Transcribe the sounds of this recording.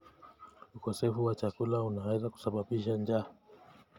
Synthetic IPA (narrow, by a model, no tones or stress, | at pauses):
ukɔsɛfuwat͡ʃakulaunawɛzaku̥saɓaɓiʃand͡ʒa